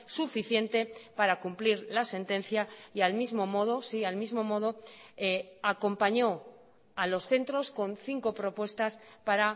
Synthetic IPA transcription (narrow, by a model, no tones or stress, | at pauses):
sufiθje̞nt̪e̞paɾakumpliɾlase̞nt̪ẽ̞n̟θjaialmizmo̞mo̞ð̞o̞sialmizmo̞mo̞ð̞o̞eako̞mpaɲo̞ | alo̞sθe̞nt̪ɾo̞sko̞nθiŋko̞pɾo̞pwe̞st̪aspaɾa